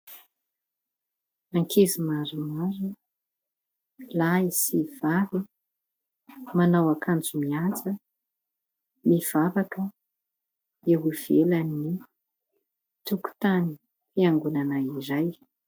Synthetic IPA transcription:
aŋkʰezimaɾumaɾu | laisiv̥aɾi | manawakʰand͡zumiat͡sə | miv̥avakə | eɦuv̥elani | t̪uku̥t̪ani | piaŋɡunanaiɾaj

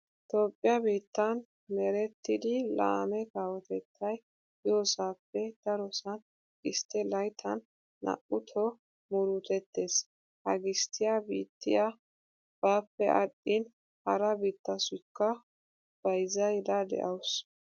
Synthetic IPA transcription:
t̪o̞ːpʼːɪjɐbiːt̪ːɐn | mɛɾɛt̪ːɪd̪ɪla̰ːmɛkaːwɔt̪ɛt̪ʰːɐj | joːsaːpːɛd̪̥ɐɾɔsɐn | ɪst̪ːɛlɐjt̪ʰɐnː | ɐ̰ʔʊt̪ʰɔ | mʊɾut̪ɛt̪ːe̞ːs | hɐɡɪst̪ːɪjabḭːt̪ːɪ̰ja | b̥aːpːɛʔɐɗʼːɪn | hɐɾɐbiːt̪ːɐsʊɪkːɐ | b̥ɐjzɐjd̪ɐd̪ɛ̰ʔɐws

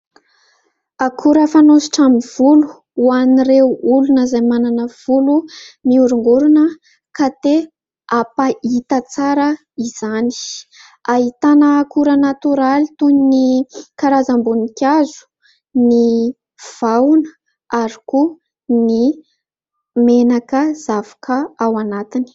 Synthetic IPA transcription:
akʰuɾəfanosi̥ʈ͡ʂamiv̥ulu̥ | waniɾewulunəzajmananəv̥ulumiuɾuŋɡuɾunə | kat̪e | apait̪ət͡saɾə | iz̥ani̥ | aɦit̪anəkuɾənat̪uɾalit̪uninikaɾazambunikʲjazu̥ | ni | v̥awnə | aɾiku | ni | menakəz̥avḁkʰəawanat̪ini̥

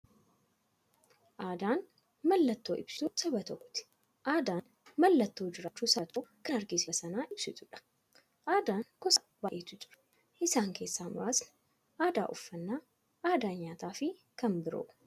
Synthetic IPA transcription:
ʔaːd̪aːn | mɐlːɐt̪ːo̞ːʔɪ̰bsuːsɐbɐt̪ɔʔːʊt̪ɪ̥ | ʔaːd̪aːn | mɐlːɐt̪ːo̞ːd͡ʒɪɾaːt͡ʃːuːsɐt̪ʰoːkɐnɐɾɡɪssɐnaːʔɪb̥sɪt̪ʊᶑɐ̥ | ʔaːd̪aːŋkɔs | baʔeːt̪ːɪt̪ʼʊ̥ᶑɐ̥ | ʔɪsaːŋke̞ːsːaːmʊ̰ɾaːsnɐ̥ | ʔaːd̪a̰ːʔʊfːɐnːaː | aːd̪aːnɲaːt̪aːfɪ | kɐmbɪɾo̰ː

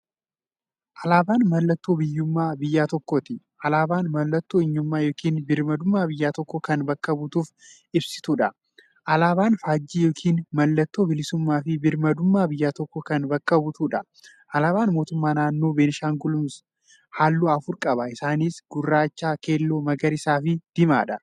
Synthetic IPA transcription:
ʔɐlaːbaːnmɐlːɐt̪ːoːbɪjːʊmːaːbɪjːaːt̪ɔkːɔt̪ɪ | ʔɐlaːbaːnmɐlːɐt̪ːoːɪɲːʊmːaːjo̞ːkʰiːnbɪɾmɐd̪ʊmːaːbɪjːaːt̪ɔkːɔkɐnbɐkːɐbʊt̪uːf | ɪbsɪ̥t̪uːᶑɐ | ʔɐlaːbaːnfaːd͡ʒːiːjo̞ːkʰiːnmɐlːɐt̪ːoːbɪlɪsʊmːaːfɪbɪɾmɐd̪ʊmːaːbɪjːaːt̪ɔkːɔkɐnbɐkːɐbʊt̪uːᶑɐ | ʔɐlaːbaːnmo̞ːt̪ʊmːaːnaːnːoːbeːnɪʃaːŋɡʊlʊms | haːlːuːɐfʊɾkʼɐbɐɪsaːniːsɡʊrːaːt͡ʃːaːke̞ːlːo̞ːmɐɡɐɾɪsaːfɪd̪̥ɪma̰ːᶑɐ

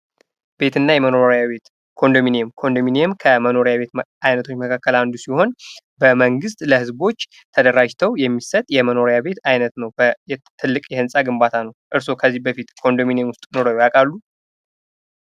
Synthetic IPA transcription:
be̞t̪ʰɨnːajɛməno̞ɾjaβet̪ | kʰo̞nd̪ominemkʰo̞nd̪omineemkʰəməno̞ɾjaβe̞t̪ajnət̪ʰo̞t͡ʃːməkʰakːəland̪usiho̞n | bəməŋɡɨst̪ʼləhɨzbo̞t͡ʃː | t̪ʰəd̪əɾad͡ʒt̪ʰəwjɛmːisət̪ʼjɛməno̞ɾjaβe̞t̪ajnət̪nəwbəjɛt̪ʰɨlːɨkʼjɛhɨnsʼaɡɨmbat̪ʰanəwʔɨɾso̞kʰəzːihbəfit̪kʰo̞nd̪ominjemwʊst̪ʼno̞ɾojjakʼalːu

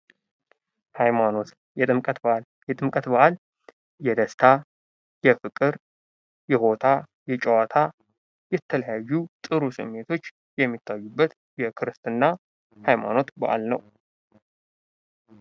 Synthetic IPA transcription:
hajmano̞t̪ | jɛɨmkʼət̪b | jɛt̪ʼɨmkʼət̪baʔal | jɛd̪əst̪ʰa | jɛfɨkʼɨɾ | jɛho̞t̪ʰa | jɛt͡ʃʼɛwat̪ʰa | jɛt̪ʰːələjajːut̪ʼɨɾusɨ̰mːe̞t̪ʰo̞t͡ʃː | jɛmːit̪ʰːajːubːət̪ | jɛkʰɨɾɨst̪ʼɨnːa | hajma̰no̞t̪ba̰ʔa̰lnə̰w

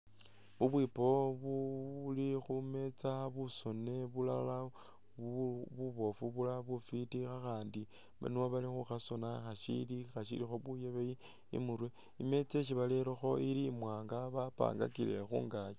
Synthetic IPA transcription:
βuβwipo̞βulixume̞t͡saβusone̞βula̰la | βuβo̞fuβulaβufitixaxaːndi | βa̰nioβalixuxasonaxaʃḭlixaʃḭlixo̞βujeβeji | ḭmuɾwe | ime̞t͡se̞ʃ̬iβaleɾoxo̞iliːmwaːŋɡaβapa̰ːŋɡa̰kile̞̰xṵːŋɡajo

